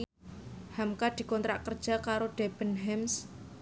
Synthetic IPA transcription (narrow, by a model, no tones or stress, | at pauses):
hamkad̪̥i̤kɔnt̪ɾaʔkərd̥ʒ̥a̤kaɾoɖ̥eb̥ə̤nɦɛms